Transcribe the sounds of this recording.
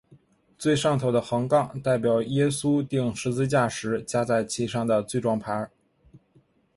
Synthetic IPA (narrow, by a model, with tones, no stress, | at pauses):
t͡swe˥˧ɪʂɑ˥˩ŋt̪ʰo˧˥ʊd̪ə˧xɤ˧˥ŋkɑ˥˧ŋt̪a˥˩ɪp̬jɑ˨˩ʊjɛ˥su˥t̪i˥˩ŋʂɻ̩˧˥t͡sɹ̩˥˧t͡ɕja˥˩ʂɻ̩˧˥t͡ɕja˥t͡sa˥˩ɪt͡ɕʰi˥˩ʂɑ˥˩ŋd̪ə˩t͡swe˥˧ɪʈ͡ʂwɑ˥˩ŋpʰa˧˥